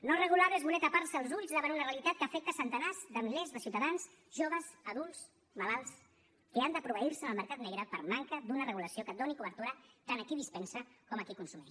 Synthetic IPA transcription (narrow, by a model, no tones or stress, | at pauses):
norəɣulaβezβunɛt̪apaɾrsəːlˠzuʎzðaβənunərəlit̪at̪̚kəfɛk̚t̪əsənt̪ənazd̪əmlɛzðəsiwt̪aðans | ʒoβəzəðulˠs | malalˠs | keand̪əpɾuβəiɾsənəlˠməɾkat̪nɛɣɾəpəɾmaŋkəd̪unərəɣuləsiokəd̪onikuβəɾt̪uɾət̪anəkiðispɛnsəkɔməkikunsumi